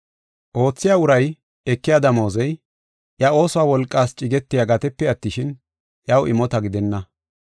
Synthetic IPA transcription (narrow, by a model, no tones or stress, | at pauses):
ʔo̞ːt͡sːɪjaːʊɾɐj | ɛkːɪjaːd̪ɐmo̞ːzɛj | ʔjɐo̞ːsɔwaːwɔlkʼːaːst͡ʃʼɪɡɛt̪ːɪjaɡɐt̪ɛpːɛɐt̪ːɪʃɪn | jɐwʔɪmɔt̪ɐɡɪd̪ɛnːɐ